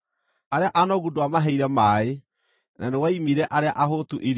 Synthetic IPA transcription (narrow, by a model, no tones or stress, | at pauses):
aɾeaʔanɔɣudoamaɦɛiɾɛmae | nʔanewaimiɾɛʔaɾeaʔaɦotuʔeɾ